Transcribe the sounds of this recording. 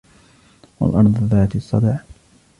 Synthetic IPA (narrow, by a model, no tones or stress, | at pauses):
wa̰lʔɑɾˤðˤðaːt̪isˤːɑd̪ɑʕ